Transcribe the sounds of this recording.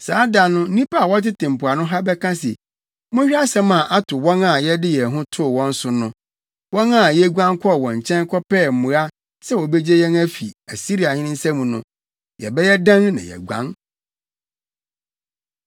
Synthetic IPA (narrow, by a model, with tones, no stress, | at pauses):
saː˨˦da˨nʊ̃˦n̩˦nĩ˦pa˦a˨wɔ˦tɪ˦tɪ̃˨m̩˨pʊ˨a˨nʊ̃˦ɦa˦bɛ˦kʰã˦s̬ɛ̰˨ | mʊ̃˦ɕᶣa˦sɛ̃˦mã˨ʔa˦tʰʊ˨wɔ̃˦nã˨jɛ˦dɪ˦jɛ˨ɦʊ̃˦tʰʊ˦˨wɔ̃˦n̩˦sʊ˨nʊ̃˦ | wɔ̃˦nã˦˨jɛ˦ɡʷã˦ŋkʰɔ˦˨wɔ̃˨ɲ˨t͡ɕʰɛ̃˦ŋ˦kʰɔ˦pɛː˦˨m̩˨mʊ̃˨ɾa˦ | sɛ˦wɔ˨bɛ˦d͡ʑe˦jɛ̃˦næ˦fḭ˨æ˨si˦ɾi˨a˨ɲɪ̃˦nɪ̃˦n̩˦sɛ̃˦mũ˨nʊ̃˦ | jɛ̰˨bɛ˦jɛ˦dã˦nnã̰˨jɛ̰˨ɡʷã̰˦n